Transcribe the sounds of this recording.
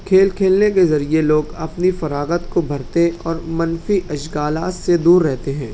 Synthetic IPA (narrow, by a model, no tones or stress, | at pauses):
kʰeːlkʰeːlnekezɐɾieloːɡɐpnifɐɾaːɡət̪kobʱɐɾt̪eɔːɾmɐnfiʔɐʃɡaːlaːssed̪uːɾːɛɦt̪eɦɛ̃ː